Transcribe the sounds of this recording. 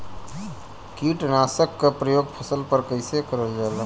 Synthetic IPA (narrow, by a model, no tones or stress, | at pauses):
kiʈnasəkːepɾəjoɡpʰəsəlpəɾkəɪsekəɾəld͡ʒal